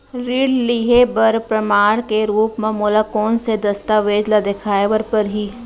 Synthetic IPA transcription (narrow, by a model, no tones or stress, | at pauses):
ɾiːɽliɦebɐɾpɾəmaːɽ̃keɾuːpmẽmʊlakoːnsed̪ɐst̪aʋeːd͡ʒlad̪ekʰaːeʋəɾpəɾɦiː